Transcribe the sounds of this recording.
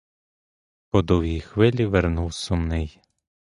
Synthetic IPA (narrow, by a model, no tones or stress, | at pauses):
pɔd̪ɔwjijxʋɪlʲiʋeɾnuwsʊmnɪj